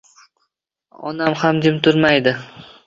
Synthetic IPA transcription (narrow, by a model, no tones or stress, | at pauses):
ɒ̰namhamd͡ʒ̪ɪmt̪ʰʊɾmajd̪ɪ